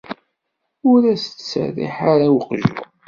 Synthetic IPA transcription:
ʊɾæst͡ssə̰ðḭħaɾawqʒṵ

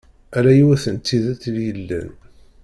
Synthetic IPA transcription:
ælæjwæθənt̪ːiðæt͡s̪ːljəlːæ̰n

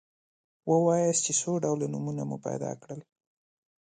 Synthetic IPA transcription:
wəwɑjast͡ʃesoɖawlonumunamṵpa̰jd̪ɑ̰kɽəl

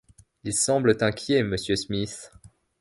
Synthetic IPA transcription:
ilsɑ̃blət̪ɛ̃kʲjeməsjøsmis

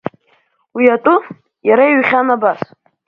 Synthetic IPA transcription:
wiatʼʊ | jaɾajɥχʲanabas

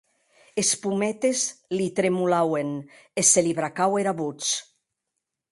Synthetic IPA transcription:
espumɛt̪ezlit̪ɾemulawen | eseliβɾakaweɾaβut͡s

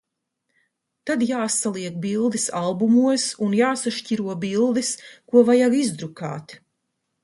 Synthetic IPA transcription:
t̪ad̪jaːsalˠiɛk̚bilˠd̪isalˠbumuɔsunjaːsaʃciɾuɔbilˠd̪iskuɔvajaɡizd̪ɾuka̰ːt̪

